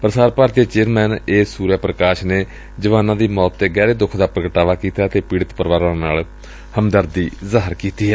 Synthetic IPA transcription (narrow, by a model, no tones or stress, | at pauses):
pəɾəsaːɾpaːɾt̪iaːt͡ʃeːɾmɛːneːsuːɾjaːpɾəkaːʃneː | d͡ʒəʋaːnãːd̪iːmɔːt̪ːeːɡɛːɾeːd̪ʊkʰd̪aːpɾəɡəʈaːʋaːkiːt̪aːət̪eːpiːɽɪət̪pəɾʋaːɾãːnaːl | həmd̪əɾd̪iːzaːɦəɾkiːt̪iːɦɛː